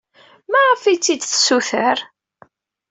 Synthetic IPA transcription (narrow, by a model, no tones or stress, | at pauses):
mæʁəfit͡sːid̪θə̥suθəɾ